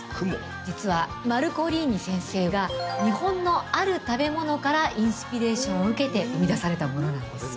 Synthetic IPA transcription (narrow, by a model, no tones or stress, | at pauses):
k | d͡ʑit͡sɨβamaɾɯ̟ko̞ɾʲiːɲ̟ːisẽ̞ɰ̃se̞ːɡaɲ̟ihõ̞nːo̞aɾɯ̟t̪abe̞mo̞no̞kaɾaʔĩɰ̃ɕɨ̥pʲiɾe̞ːɕõɰ̃oɯ̟ke̞t̪e̞ʔɯ̟mʲid̪asaɾe̞t̪amo̞no̞nãnd̪d̪e̞sɨ̥